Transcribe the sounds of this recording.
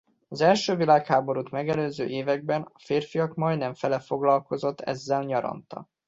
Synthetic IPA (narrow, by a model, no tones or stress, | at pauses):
ɒzɛlʃøːvilaːkhaːbo̞ɾut̪mɛɡɛløːzøːʔeːvɛɡ̚bɛnɒfeːrfijɒkmɒjnɛɱfɛlɛfo̞ɡlɒlko̞zo̞t̪ːɛ̰zːɛlɲɒɾɒ̰nt̪ɒ̰